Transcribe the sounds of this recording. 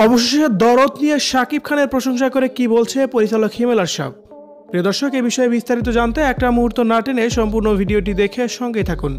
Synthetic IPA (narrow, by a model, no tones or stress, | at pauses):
ɔboʃoʃeʃed̪ɔɾot̪nijeʃakib̚kʰaneɾpɾoʃoŋʃ̬akoɾekibolt͡ɕʰepoɾit͡ɕalokhimelaɾʃa̰b̚ | pɾiod̪ɔɾʃokebiʃɔebist̪aɾit̪̬od͡ʑant̪eɛk̚ʈamuɦuɾt̪onaʈeneʃɔmpuɾnobʱiɖioʈ̬id̪ekʰeʃɔŋɡet̪ʰakun